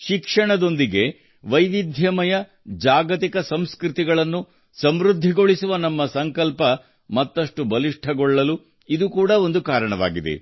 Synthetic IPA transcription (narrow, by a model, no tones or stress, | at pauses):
ʃikʂɐɳɐd̪o̞nd̪iɡe̞ | ʋɐjʋid̪ʱjɐmɐjɐ | d͡ʒaːɡɐt̪ikɐsɐmskɾit̪iɡɐɭɐnːu | sɐmɾud̪ʱːiɡo̞ɭisuʋɐnɐmːɐsɐŋkɐlpɐ | mɐt̪ːɐʂʈubɐliʂʈʰɐɡɔɭːɐlu | id̪ukuːɽɐo̞nd̪ukaːɾɐɳɐʋa̰ːɡid̪e̞̰